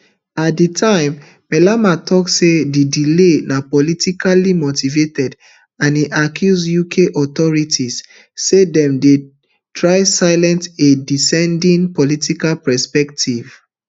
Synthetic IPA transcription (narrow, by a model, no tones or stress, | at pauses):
at̚ditʰãɪ̃m | mɛlamatʰɔksedidilenapɔlitikalimotivetɛd | ãniʔakʰjuzjukʰeʔɔtɔɹitʰisː | edɛ̃mde | tʰɹaɪsaɪlɛ̃ntedisɛ̃ndĩnpɔlitikalpɛspɛk̚tʰiv̥